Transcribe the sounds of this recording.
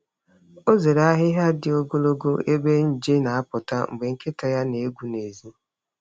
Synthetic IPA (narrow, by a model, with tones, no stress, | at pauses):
o˦ze˨ɾa˦ɦɪ˦ɦa˦dɪ˨o˦ɡo˦lo˦ɡo˦e˦be˦n̩˦d͡ʒe˦na˨a˦pʊ˨ta˦ŋ͡m̩˨ɡ͡be˨ŋ̩˦ke˦ta˨ja˦ne˨e˦ɡʷu˦ne˨zi˦